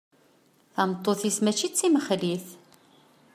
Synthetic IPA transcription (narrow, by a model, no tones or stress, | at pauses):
θɑmt̪ˤːoθismæt͡ʃːit͡sːiməχɾiθ